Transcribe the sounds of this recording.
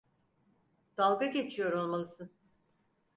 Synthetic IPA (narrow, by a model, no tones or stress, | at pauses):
d̪̥alˠɡaɟe̞t͡ʃʰijo̞ɾo̞lˠmalˠɯsɯ